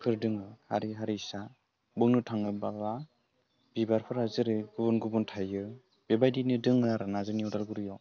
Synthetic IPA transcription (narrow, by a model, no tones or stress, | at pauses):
pʰɯɾdɯŋɯha̰ɾiɦaɾisa | bɯŋnɯtʰaŋɯbala | b̥ibaɾpʰɯɾhazɯɾɯɡɯbunɡɯbɯntʰajɯ | bebajdinɯdɯŋɯaɾɯnazɯniudalɡɯɾɯjɔ